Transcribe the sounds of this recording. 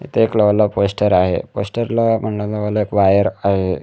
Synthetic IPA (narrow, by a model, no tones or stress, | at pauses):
ḭt̪ʰeekləʋlaposʈəɾaɦḛposʈəɾlam̤əɳlaləʋəlaekʋajəɾaɦe